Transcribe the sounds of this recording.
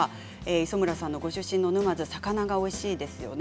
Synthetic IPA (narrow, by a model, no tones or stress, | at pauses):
eːiso̞mɯ̟ɾasãnːo̞ɡo̞ɕɨɕːĩnːo̞nɯ̟mazɨsakanaɡao̞iɕiːd̪e̞sɨjo̞̰n